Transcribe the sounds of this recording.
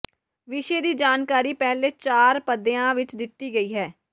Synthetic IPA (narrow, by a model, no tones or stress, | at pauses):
ʋɪʃeːd̪iːd͡ʒaːnkaːɾiːpɛːɦleːt͡ʃaːɾpəd̪ejãːʋɪt͡ʃd̪ɪt̪ːiːɡəiːɦɛː